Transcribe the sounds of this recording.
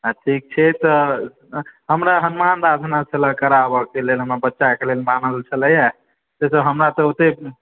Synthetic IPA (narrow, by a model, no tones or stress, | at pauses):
aʈʰik̚t͡ʃʰɛt̪ɔ | ɦəmɾaɦənmand̪ad̪ʱnat͡ʃʰələkəɾabəkelelɦəmɾabətːʃakelelmanəlt͡ʃʰələja | d͡ʒ̪esəɦəmɾat̪ɔot̪e